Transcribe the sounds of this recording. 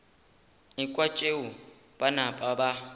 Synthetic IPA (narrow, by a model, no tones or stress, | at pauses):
ikʼwat͡ʃʼeu | banapʼaba